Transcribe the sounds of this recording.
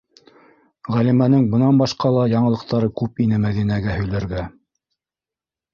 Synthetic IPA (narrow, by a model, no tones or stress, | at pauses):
ʁælimænɘŋbɤ̆nɑnbɑʃqɑlˠɑjɑɴɤ̆ɤ̆q̚t̪ɑɾɤkʉpinɘmæðinæɡæhɵ̆jlæɾɡæ